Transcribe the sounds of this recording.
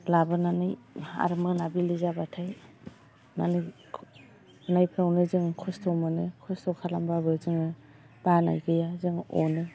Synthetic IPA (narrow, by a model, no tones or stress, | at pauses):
labɯnanɯja̰ɾmɯnabilizabatʰaj | na̰nɯjʰ | ɯnajpʰɾawnɯzɯŋkʰɔstʰɔmɯnɯkʰɔstɔkʰalambabɯzɯŋɯ | b̥ana̰jɡɯjazɯŋo̰nɯ